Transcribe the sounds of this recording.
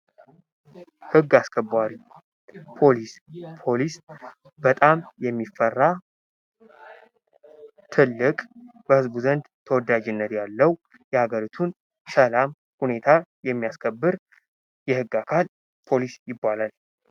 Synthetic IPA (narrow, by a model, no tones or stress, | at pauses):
hɨɡːaskʰəbaɾi | pʰo̞lispʰo̞lis | b̥ət̪ʼamjɛmːifːərːa | t̪ʰɨlːɨkʼb̥əhɨzbuzənd̪t̪ʰəwɔd̪ad͡ʒɪnːət̪jalːəw | jɛhaɡəɾit̪ʰun | ʃəlam | hune̞t̪ʰajɛmːijaskʰəbːɨɾ | jɛhɨɡːakʰal | pʰo̞lisjɪbːalal